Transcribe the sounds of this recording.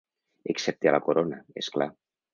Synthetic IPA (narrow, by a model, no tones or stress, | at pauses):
eksɛp̚t̪ialakoɾonaeskla